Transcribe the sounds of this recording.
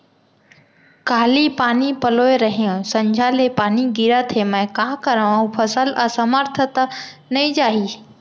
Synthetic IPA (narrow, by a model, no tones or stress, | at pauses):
kaːlipaːnipɐloːeɾɐɦijõsɐ̃ɲd͡ʑʱaːlepaːniɡiɾat̪ʰemə̃ɪ̃kãːkɐɾəʋaːũpʰɐsəlɐsɐməɾt̪ʰət̪ | nɐĩd͡ʑaːɦiː